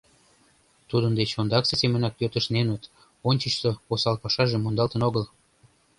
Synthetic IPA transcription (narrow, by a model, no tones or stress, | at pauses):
t̪ud̪ənd̪et͡ɕond̪ɑksesemənɑk̚pøt̪əʃnenət̪ | onʲt͡ɕət͡ɕt̪oposɑlpɑʃɑʒemːond̪ɑlt̪ənoɣəl